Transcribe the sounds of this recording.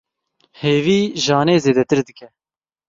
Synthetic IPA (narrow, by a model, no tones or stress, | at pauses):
heːviːʒɑːneːzeːd̪ɛt̪ɨɾd̪ɨkɛ